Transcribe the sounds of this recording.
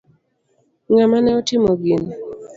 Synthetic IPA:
ŋamanɛɔtɪmoɡin

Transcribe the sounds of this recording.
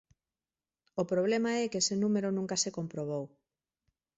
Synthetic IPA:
opɾoβ̞lemaɛkesenumeɾonũŋkasekompɾoβ̞ow

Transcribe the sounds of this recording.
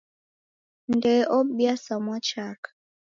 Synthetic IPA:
ndɛʔɔɓjasamɔt͡ʃak

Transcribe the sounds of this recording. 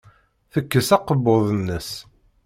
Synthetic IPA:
θəkːəsæqəbːoðˤənːəs

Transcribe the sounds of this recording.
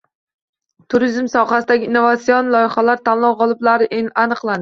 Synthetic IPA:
t̪ʰʊɾizmsɒχasɪd̪aɡʲɪːnːovat̪sijonlˠɒjɪχalaɾt̪ʰanlˠɒwʁɒlˠɪblaɾɪanɨqlˠan

